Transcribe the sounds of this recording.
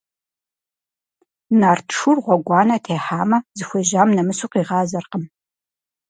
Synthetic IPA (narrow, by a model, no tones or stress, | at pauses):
naːrtʰʂurʁʷɔɡʷɑːnɐtʰeːħaːmɐzɨxʷeʒaːmnɐmɨsuqiːʁɑːzɐrqəm